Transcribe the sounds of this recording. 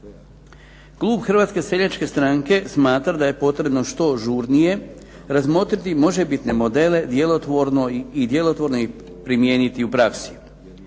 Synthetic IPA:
klˠuːbxr̩ʋat̪ske̞se̞ʎat͡ʃke̞st̪ɾaŋke̞smaːt̪ɾad̪aje̞po̞t̪ɾe̞bno̞ʃt̪o̞ʒuːɾnije̞ | ɾazmo̞t̪ɾit̪imo̞ʒebit̪ne̞mo̞d̪e̞le̞d̪jelo̞t̪ʋo̞ɾno̞id̪je̞lo̞t̪ʋo̞ɾnoi | pɾimje̞ːnit̪iupɾaksi̥

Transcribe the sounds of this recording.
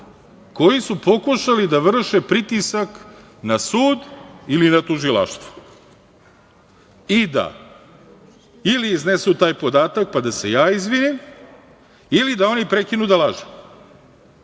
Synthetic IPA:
ko̞jisupo̞kuʃalid̪aʋr̩ʃepɾit̪isak | nasuːd̪ilinat̪uʒilˠa̰ʃt̪vʋu̥ | id̪a̰ | iliːznesut̪aːjpo̞d̪aːt̪ak̚pad̪ase̞jaːizʋinim | ilid̪ao̞nipɾe̞kinud̪alaʒe

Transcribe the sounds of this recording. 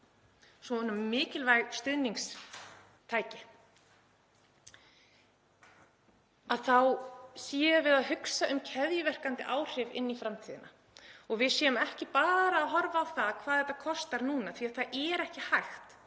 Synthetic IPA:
sɔnːʏmːɪːcɪlvajst̪ʏðniŋs | t̪ʰaːjcɪ | aðθawsjɛːavɪðaðɦʏksaʔʏmcʰɛðjʏvɛr̥kant̪ɪ̰ʔaːwr̥ɪvɪ̰nːifɾamt̪ʰiːðɪ̰na | ɔɣvɪðsjɛðʏmɛhcɪpaːðɾaːðɦɔɾvaːwθaðkʰv̥aːðhɛt̪akʰɔst̪aɾnuːnaθʰviaðθaðʔɛɾɛhcɪhajxt̪

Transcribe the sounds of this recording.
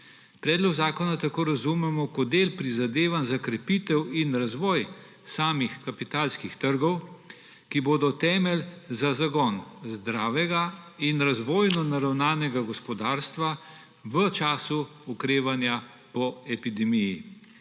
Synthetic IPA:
pɾɛːd̪lɔɡzaːkɔnat̪akoːɾazumɛmɔkɔd̪eːlpɾizad̪eːʋanzakɾɛpit̪ɛwinɾazʋɔːj | saːmixkapit̪aːlskixt̪əɾɡɔw | kiboːd̪ɔt̪ɛːmɛlzazaɡɔnzd̪ɾaːʋɛɡainɾazʋɔːjnɔnaɾawnaːnɛɡaɡɔspɔd̪aːɾst̪ʋa | ʋət͡ʃaːsuukɾeːʋanja | pɔɛpid̪ɛmiji

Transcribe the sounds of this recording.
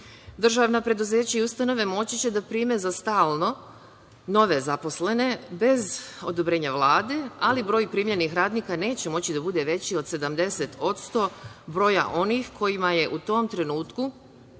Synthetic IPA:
d̪r̩ʒaʋnapɾe̞d̪uze̞ːt͡ɕaiust̪ano̞ʋe̞mo̞t͡ɕit͡ɕe̞d̪apɾiːmezast̪aːlˠno̞ | no̞ʋe̞zapo̞sle̞ne̞be̞zo̞d̪o̞bɾe̞ːɲaʋlˠaːd̪e̞alibɾo̞ːjpɾiːmʎe̞nixɾaːd̪niːkane̞ːt͡ɕe̞mo̞t͡ɕid̪abud̪e̞ʋe̞t͡ɕio̞d̪se̞d̪amd̪e̞se̞t̪o̞t̪st̪o̞bɾo̞ːja̰ʔo̞nixkʰo̞jimaje̞ʔut̪o̞mt̪ɾe̞nuːt̪ku

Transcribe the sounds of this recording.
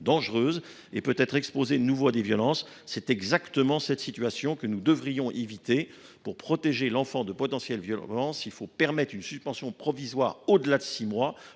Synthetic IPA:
d̪ɑ̃ʒʁøːz | epøt̪ɛt̪χɛkspozenuvoad̪evjɔlɑ̃sː | ɛt̪ɛɡzakt̪əmɑ̃sɛt̪sit̪ɥasjɔ̃kənud̪əvʁijɔ̃ʔevit̪e | puʁpχɔt̪eʒelɑ̃fɑ̃d̪əpɔt̪ɑ̃sjɛlvjɔɑ̃silfopɛʁmɛt̪χynsyspɑ̃sjɔ̃pχɔvizwaːʁod̪əlad̪əsimwa

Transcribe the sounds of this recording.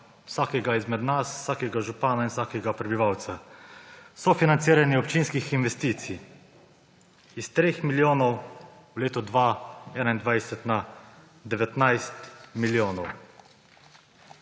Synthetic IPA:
wsaːkɛɡaizmɛd̪naswsaːkɛɡaʒupaːnainwsaːkɛɡapɾɛbiʋawt̪sa | sɔfinant̪siːɾaniɔpt͡ʃinskixinʋɛst̪iːt̪si | ist̪ɾeːxmiljoːnɔw | wleːt̪ɔd̪ʋaɛːnaind̪ʋajsɛt̪na | d̪ɛʋɛt̪najst̪miljoːnɔw

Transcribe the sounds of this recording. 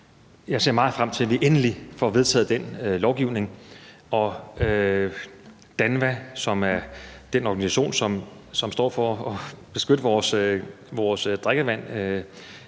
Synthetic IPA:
jɑ̈ɪse̝̰ɐ̰mɑ̈ːð̩ˠfʁam̰t͡sʰe̝lʋiʔenəlifɒʋe̝ð̞ˠt͡sʰɛ̰ːð̩ˠd̥enlɒʊɡ̥iʊ̰ne̝ŋ | ɒ̽ø | d̥ænʋæsɒ̽mæɐd̥enɒɡ̥ænisæɕo̝̰ːnsɒ̽m | sɒ̽msd̥ɒ̰ːfɒɒb̥e̝sɡ̥øɾ̥əʋɒːs | ʋɒːsd̥ʁaɡ̥əʋæn̰ø

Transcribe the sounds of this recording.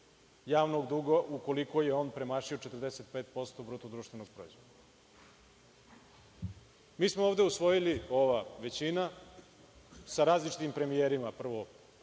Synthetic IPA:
jaːʋnoɡd̪uɡoʔuko̞liko̞je̞o̞ːnpɾe̞maːʃio̞t͡ʃet̪ərd̪eset̪̚pet̪̚po̞st̪obɾot̪ud̪ɾuːʃt̪ʋe̞noɡ̥̚pɾoizʋo̞d̪d̪a | miːsmooːvd̪e̞usʋo̞jilioʋaʋe̞t͡ɕina | saɾaːzlit͡ʃi̥t̪impɾe̞mieɾimapr̩ʋo

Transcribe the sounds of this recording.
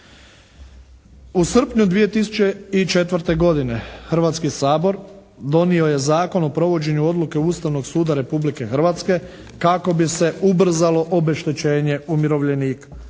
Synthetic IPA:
usr̩pɲud̪ʋije̞t̪isu̥t͡ʃe̞it͡ʃe̞t̪ʋər̩t̪e̞ɡo̞d̪ine̞xr̩ʋat̪skisaːbo̞ɾ | d̪o̞nio̞je̞zaːko̞no̞pɾo̞ʋo̞d͡ʑe̞ɲuo̞d̪lˠuke̞uːst̪aʋno̞ɡsuːd̪aɾe̞publike̞xɾ̩ʋat̪ske̞ | kako̞bise̞ubr̩zalo̞ʔobe̞ʃt̪et͡ɕe̞ːɲe̞umjiɾo̞ʋʎeniːka

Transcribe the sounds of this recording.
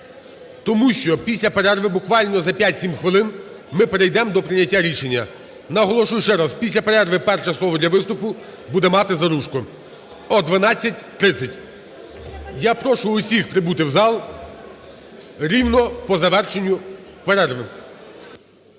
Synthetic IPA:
t̪ɔmuʃt͡ʃɔpʲisʲlʲɐpeɾɛrʋɪbʊkʋɑlʲnɔzɐpʲjatʲsʲimxʋɪlˠɪn | mɪpeɾejd̪ɛmd̪ɔpɾɪnʲɐtʲːaɾʲiʃenʲːɐ | nɐɦɔlˠɔʃujʊʃt͡ʃɛɾaspʲisʲlʲɐpeɾɛrʋɪpɛrʃɛslˠɔʋɔd̪lʲɐʋɪst̪ʊpʊ | bud̪ɛmɑt̪ɪzɐɾuʃkʊ | ɔd̪ʋɐnɑt͡sʲːɐtʲt̪ɾɪt̪sʲɐtʲ | japɾɔʃʊʊsʲixpɾɪbut̪ɪwzɑlˠ | ɾʲiwnɔpɔzɐʋɛrʃenʲːʊpeɾɛrʋɪ

